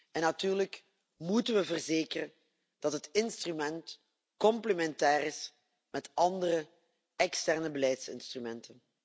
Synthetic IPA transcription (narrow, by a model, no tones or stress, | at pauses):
ɛnɑtyːrlək | mutənʋəvərzeːkərən | d̥ɑtɦətɪnstrymɛnt | kɔmpləmɛntɛːrɪs | mɛtɑndərə | ɛkstɛrnəbəlɛjtsɪ̰nstrymɛntən